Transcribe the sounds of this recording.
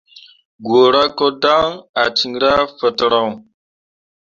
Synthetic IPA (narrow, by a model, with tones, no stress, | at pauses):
ɡo˨ɾa˦ko˦da˦ŋa˨ti˨ŋɾa˦fə˨tə˨ɾa˦˨w